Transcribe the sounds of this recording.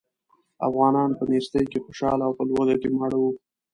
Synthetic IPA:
a̰fɣɑnɑnpənest̪əjkexoʃɑ̰laːwpəlwoɣaʈemaɽawu

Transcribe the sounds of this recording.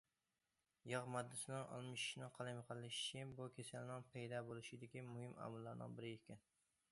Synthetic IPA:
jɑʁmɑd̪ːɪsɪnɪŋɒ̰lˠmɪʃɪ̥ʃnɪqʰɑlˠamqʰəlˠlːɪʃɪ̥ʃʰɪbukʲʰesælnɪŋpʰɑjd̪ɑbolˠɪʃɪd̪ɪkʲimʊhɪmɑ̰mʊlːaɾnɪ̰ŋbɪɾɪjekʲɪn

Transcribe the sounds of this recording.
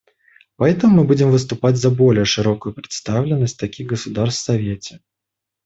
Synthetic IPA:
pɐɛt̪əmʊmːɨbud͡zʲɪmvɨs̬t̪ʊpad͡zʲzɐbɔlʲɪjəʂɨɾɔkʊjʊpɾʲɨ̥t̪st̪awlʲɪnːəsʲt̚ʲt̪ɐkʲiɣɡəsʊd̪arst̪sɐvʲet͡sʲɛ̥

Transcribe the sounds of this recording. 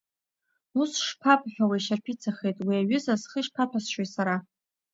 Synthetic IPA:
usʂpʰapʼħʷᶣawajʃarpʰit͡sʰaχejtʼwiaɥʏzazχəʃpʰapʰasʃwesaɾa

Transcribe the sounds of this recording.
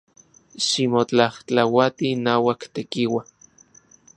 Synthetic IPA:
ʃimot͡ɬaht͡ɬawat̪inaːwakt̪ekiwa

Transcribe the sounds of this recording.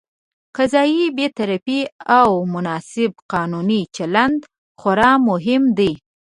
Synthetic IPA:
kazɑjibet̪aɾapiawmʊnɑsɪb̚qɑnunit͡ʃaland̪ | xaɾɑmʊɦɪmd̪i

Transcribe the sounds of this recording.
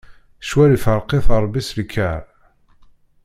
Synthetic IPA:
ʃwælifəɾˤqeθəɾˤbislkʰːæɾ

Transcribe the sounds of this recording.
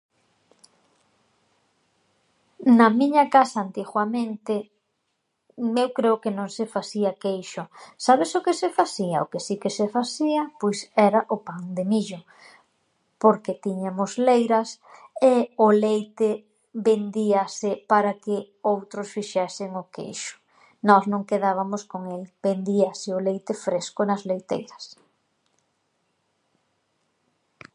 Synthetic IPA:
nɐmiɲɐkasaːnt̪iɣwamẽnt̪ɪ | mewkɾeʊkɪnõŋsɪfasiakejʃʊsaβesʊkesɪfasia̰o̰kesikesefasiɐpojsɛɾaʔʊpaŋd̪emiʎʊ | poɾkɪt̪iɲamʊslejɾɐs | eʊlejt̪ɪ | bend̪iasɪpaɾakɪ | owt̪ɾʊsfiʃɛsɪŋʊkḛjʃʊ̥ | nɔznõŋkeðaβ̞amʊskoŋelbend̪iasɪʊlejt̪ɪfɾeskʊnɐzlejt̪ḛjɾɐs

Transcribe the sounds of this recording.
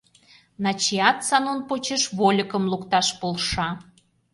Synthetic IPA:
nɑt͡ɕiɑt̪sɑnonpot͡ɕeʃβolʲəkə̆mlukt̪ɑʃpolˠʃɑ

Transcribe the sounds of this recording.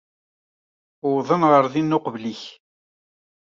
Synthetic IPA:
ʊːðˤənʁəɾðinːʊqvliç

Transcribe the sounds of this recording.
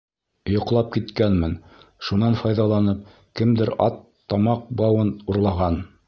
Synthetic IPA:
jŏqlˠɑp̚kit̪kænmɘnʃunɑnfɑjðɑlˠɑnɤp̚ | kɘmd̪ɘɾɑ̰t̪ːɑmɑq̚bɑwɤnuɾlˠɑʁɑn

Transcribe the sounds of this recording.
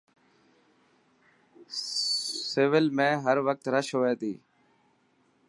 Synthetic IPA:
seʋɪlmẽːɦəɾʋək̚t̪ɾəʃɦoːeːt̪iː

